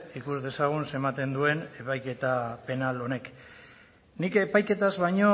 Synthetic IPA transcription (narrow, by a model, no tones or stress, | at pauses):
ikuzd̪e̞saɣ̞unse̞mat̪e̞nd̪ue̞ne̞pajke̞t̪ape̞nalo̞ne̞k | nike̞pajke̞t̪azβajɲo̞